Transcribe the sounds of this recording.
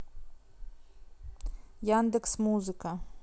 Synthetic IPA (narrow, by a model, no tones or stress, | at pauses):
jand̪ɛksmuzɨkə